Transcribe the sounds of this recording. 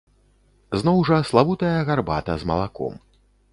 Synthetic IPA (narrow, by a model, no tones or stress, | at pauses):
znɔwʐɐslˠavut̪ɐjɐɣarba̰t̪ɐzmɐ̰lˠakɔ̰m